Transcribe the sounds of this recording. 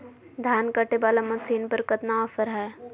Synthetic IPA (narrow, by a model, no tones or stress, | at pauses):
d̪ʱjaːnkəʈebaːlamɐsiːnpəɾkɐt̪naɔfəɾɦɛː